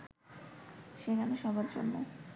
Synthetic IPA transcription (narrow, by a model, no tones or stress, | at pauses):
ʃeɡanoʃɔbaɾd͡ʑo̰nmo̰